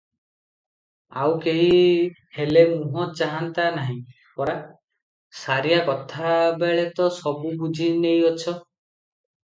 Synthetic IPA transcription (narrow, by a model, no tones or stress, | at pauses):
a̰wkeɦi | helemuɦɔ̃t͡ʃaɦant̪anaɦĩ | pɔɾa | saɾijakɔt̪ʰabeɭet̪ɔsɔbubud͡ʒʱinejɔt͡ʃʰɔ